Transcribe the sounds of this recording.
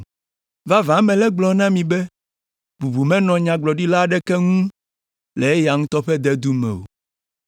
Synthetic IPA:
va˦vã˨˦mɛ̃˨lɛ˦ɡ͡blɔ˨nã˦mĩ˨bɛ˦ | bu˨bu˨mɛ̃˦nɔ̃˨ɲã˨ɡ͡blɔ˨ɖi˦la˦˨ɖɛ˦kɛ˦ŋũ˦ | le˨e˦ja˨ŋũ˦t̪ɔ˦ɸɛ˦d̪ɛ˦d̪u˦mɛ̰̃˨wo̰˨

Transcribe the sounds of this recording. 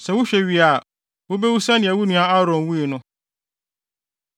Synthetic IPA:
sɛ˨wʊ˦ɕᶣɛ˨ɥi˨a˨ | wʊ˦be˦wu˦sa˦nɪ̃˨ɛ˨wu˦nũ˨a˦a˦ɾɔ̃˨nwu˦e˨nʊ̃˦

